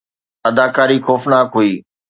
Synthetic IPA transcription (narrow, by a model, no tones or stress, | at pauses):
ɐd̪aːkaːɾixɔːfnaːkɦuiː